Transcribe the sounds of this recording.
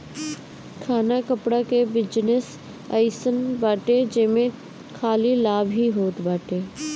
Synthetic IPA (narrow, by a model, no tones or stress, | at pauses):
kʰaːnakɐpɽakebɪd͡ʒnɪs | ɐɪsənbaːʈed͡ʒɐ̃ːmẽ | kʰaːlilaːbʱɦiɦoːt̪baːʈeː